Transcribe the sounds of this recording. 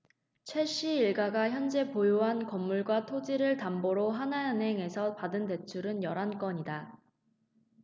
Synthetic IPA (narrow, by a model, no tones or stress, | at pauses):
t͡ɕʰe̞ɕ͈iːɭɡaɡaçjʌnd͡ʑe̞pojoɦankʌmːuɭɡwatʰod͡ʑiɾɯɭtamboɾoɦanaɯnɦe̞ŋe̞sʰʌpadɯnte̞t͡ɕʰuɾɯnjʌɾank͈ʌɲida